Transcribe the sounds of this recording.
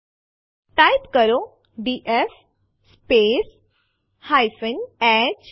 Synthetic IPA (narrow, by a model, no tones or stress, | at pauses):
ʈajpkəɾo | ɖiʔef | spes | hajfənɛt͡ɕ